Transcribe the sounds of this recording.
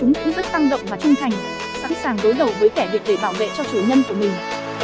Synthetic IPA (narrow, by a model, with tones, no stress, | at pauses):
t͡ɕʊ˨˦ŋ͡mkʊ̰˧˥ŋ͡mzə˦˥t̚t̪a˧ŋɗə̰˧˨wŋ͡mvaː˨˩t͡ɕʊ˧ŋ͡mt̪ʰa˨˩jŋ̟ | sa̰˧˥nsaː˨˩ŋɗo˨˦jɗə˨˩wvəː˨˦jkɛ˧˩ɗɨ˨˩k̚ɗe˧˩ɓaː˧˩wvḛ˧˨t͡ɕɔ˧t͡ɕəː˨˩ɲə˧nku˧˩əmï˨˩ŋ̟